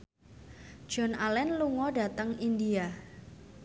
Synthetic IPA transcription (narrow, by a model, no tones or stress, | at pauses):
d̥ʒ̥ɔnalɛnluŋɔɖa̤t̪əŋindia